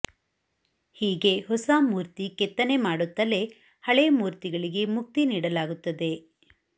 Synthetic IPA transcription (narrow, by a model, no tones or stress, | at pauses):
hiːɡe̞hɔsaːmuːɾt̪ikɛt̪ːɐne̞maːɽut̪ːɐle̞ | hɐɭemuːɾt̪iɡɐɭiɡe̞muk̚t̪iniːɽɐlaːɡut̪ːɐd̪e̞